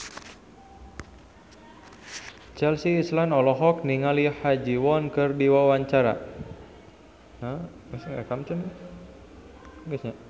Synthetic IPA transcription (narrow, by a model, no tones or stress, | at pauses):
t͡ʃɛlsiːslanɔlɔɦɔk̚niŋalihad͡ʒiwɔnkərdiwawaɲt͡ʃaɾa̰ | nə | masŋakamt͡ʃən | ɡəsɲa